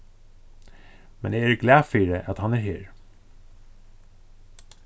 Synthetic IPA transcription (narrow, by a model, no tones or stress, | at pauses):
mɛneːæːɹɡlæːfiːɹəʔɑt̪hɑnæːɹheːɹ